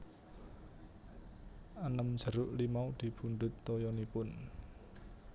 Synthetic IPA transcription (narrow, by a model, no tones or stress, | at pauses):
ʔanəmd̥ʒ̥ə̤ɾʊʔlimaud̪̥i̤b̥uɳɖ̪ʊ̤t̪ːɔjɔnipʊn